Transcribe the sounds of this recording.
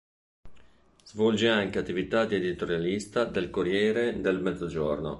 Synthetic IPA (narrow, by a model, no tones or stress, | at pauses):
z̥vɔld͡ʒeaŋkeat̪ːivit̪ad̪ied̪it̪oɾjalist̪ad̪elkoɾjɛːɾed̪elmɛd̪zod͡ʒorno̰